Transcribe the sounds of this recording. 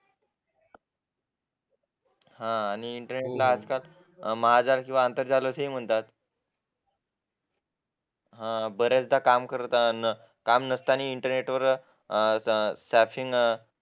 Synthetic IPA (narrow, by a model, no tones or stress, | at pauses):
hãːñiːɳʈəɾneʈlaəd͡zkal | maad͡zalkĩw̃ʋaənt̪əɾd͡zaləsɦim̤əɳt̪at̪ | ɦãbəɾjat͡sd̪ʱakamkəɾt̪ | kamnəst̪əañiːɳʈəɾneʈʋəɾ | sæfiŋɡ